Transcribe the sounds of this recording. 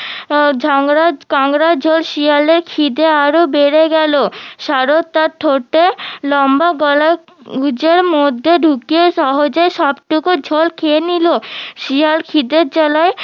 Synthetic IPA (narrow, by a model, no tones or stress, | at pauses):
d͡ʑʱɔŋɾakɔŋɾad͡ʑʱolʃialeɾkʰid̪eaɾobeɾeɡɛloʃaɾot̪ːaɾt̪ʰoʈːelɔmbaɡɔla | ɡud͡ʑeɾmod̪ʱːeɖʱukieʃɔɦod͡ʑeʃɔbʈukud͡ʑʱolkʰeeniloʃialkʰid̪eɾt͡ɕɔlae